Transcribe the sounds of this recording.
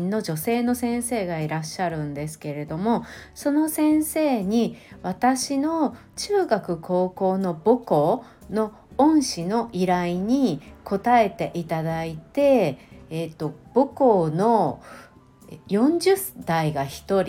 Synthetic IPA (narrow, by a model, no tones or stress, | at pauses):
nːo̞d͡ʑo̞se̞ːno̞sẽ̞ɰ̃se̞ːɡaiɾaɕːaɾɯ̟̃nd̪e̞sɨ̥ke̞ɾe̞d̪o̞mo̞so̞no̞sẽ̞ɰ̃se̞ːɲ̟iβat̪aɕino̞ | t͡ɕɨːɡakɯ̟kʰo̞ːko̞ːno̞boko̞ː | no̞ | õɰ̃ɕino̞ʔiɾaiɲ̟iko̞t̪ae̞t̪e̞ʔit̪ad̪ait̪e̞ː | t̪ːo̞b̥okoːno̞ | jõ̞ɲd͡ʑɨsd̪̥aiɡaçi̥t̪o̞ɾʲ